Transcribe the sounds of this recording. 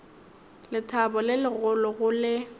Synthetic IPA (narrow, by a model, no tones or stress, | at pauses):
lɪtʰabɔlɪlɪɣʊlɔɣʊlɪ